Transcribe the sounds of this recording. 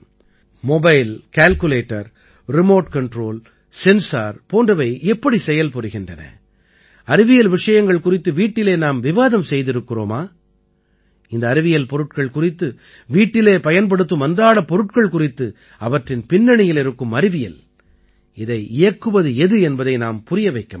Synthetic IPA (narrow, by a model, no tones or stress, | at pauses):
mɔbɐɪlkaːlkɯleːʈːɐɾ | ɾɪmoːʈkɐɳʈɾoːl | sɛnsaːɾpoːndrɐʋɐɪɛpːɐɽisɛjɐlpɔɾɯɣɪndrɐnɐ̰ | ɐɾɪʋɪjɐlʋɪʂɐjɐŋɡɐɭkʊrɪt̪ːɯʋiːʈːɪleːnaːmʋɪʋaːðɐmsɛjðɪɾɯkːɪro̰ːmaː | ɪnd̪ɐːɾɪʋɪjɐlpɔɾɯʈkɐɭkʊrɪt̪ːɯ | ʋiːʈːɪleːpɐjɐnp̬ɐɽɯt̪ːɯmɐnd̪aːɭɐpɔɾɯʈkɐɭkʊrɪt̪ːɯ | ɐʋɐʈrɪnpɪnːɐɳɪjɪlɪɾɯkːɯmɐɾɪʋɪjɐ̰l | ɪðɐɪɪjɐkːɯʋɐðɯɛðɯɛnbɐðɐɪnaːmpʊɾɪjɐʋɐɪkːɐm